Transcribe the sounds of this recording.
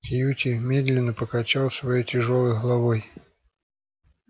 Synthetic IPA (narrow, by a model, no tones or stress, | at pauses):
xʲjutʲɪmʲed̪lʲɪnːəpəkɐt͡ɕalˠsvɐjojtʲɪʐolˠɨjɣlˠɐvoj